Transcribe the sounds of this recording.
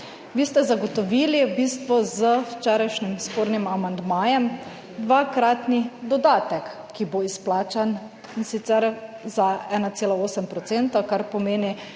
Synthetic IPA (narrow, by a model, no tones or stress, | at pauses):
ʋiːst̪ɛzaɡɔt̪ɔʋiːlibiːst̪ʋɔzəwt͡ʃɛːɾajʃnimspoːɾnimamand̪maːjɛm | d̪ʋakɾaːt̪nid̪ɔd̪aːt̪ɛkːiboisplaːt͡ʃan | insit̪sɛɾzaɛːnat̪seːlaoːsəmpɾɔt̪seːnt̪akaɾpɔmeːni